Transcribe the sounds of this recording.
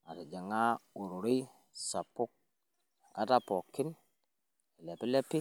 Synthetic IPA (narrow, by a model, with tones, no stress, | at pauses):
a˨ta˨d͡ʒa˨ŋa˦u˨ɾu˨ɾi˦ | sa˨pu˦k̚ | a̰˨ta˦po˨kːi˦n | e˨le˨pi˦le˦pːi˦